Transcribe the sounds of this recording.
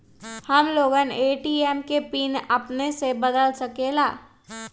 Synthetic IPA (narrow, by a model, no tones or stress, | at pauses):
hɐmloːɡəneːʈiːeːmkepiːnɐpnesebɐd̪əlsɐkelaː